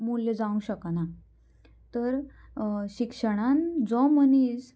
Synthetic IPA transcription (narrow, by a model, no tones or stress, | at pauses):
mulːed͡zaũɕəkana | t̪əɾ | ɕikʂəɽ̃ãnd͡zɔmənis